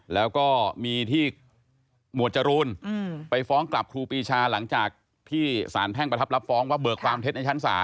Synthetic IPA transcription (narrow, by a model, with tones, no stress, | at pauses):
lɛː˦˥wkɔː˥˩miː˧t̪ʰiː˥˩ | mu˨˩ət̪t͡ɕa˧ɾuː˧npa˧jfɔː˦˥ŋkla˨˩p̚kʰɾuː˧piː˧t͡ɕʰaː˧la˩˦ŋt͡ɕaː˨˩k̚ | t̪ʰiː˥˩sa̰ː˩˦npʰɛː˥˩ŋpɾa˧t̪ʰa˦˥p̚la˦˥p̚fɔː˦˥ŋwaː˥˩bɤː˨˩kʰwaː˧mt̪ʰe˦˥t̪̚na˧jt͡ɕʰnsa̰ː˩˦